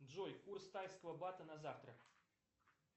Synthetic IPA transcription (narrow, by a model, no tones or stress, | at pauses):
dʐɔjkurst̪ajskvˠɐbat̪ɐnɐzaft̪ɾɐ